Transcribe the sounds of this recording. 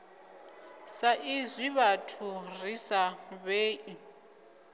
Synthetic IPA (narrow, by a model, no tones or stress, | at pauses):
saʔizwiβatʰurisaβeːʔi